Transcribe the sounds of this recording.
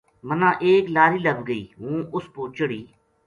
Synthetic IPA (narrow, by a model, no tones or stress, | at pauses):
mənãːʔeːklaːɾiːləbɡəḭːɦũːʔʊspõːt͡ʃəɽiː